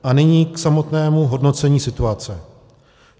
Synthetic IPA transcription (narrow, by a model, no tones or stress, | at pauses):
ʔanɪɲiːksamo̞t̪nɛːmuɦo̞dno̞t͡sɛɲiːsɪt̪uat͡sɛ